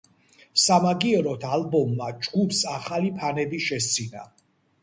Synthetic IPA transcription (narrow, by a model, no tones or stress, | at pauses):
samaɡiɛɾɔt̪ʰalbɔmːad͡ʒɡupsaχalipʰanɛbiʃɛs̬t̪sʰina̰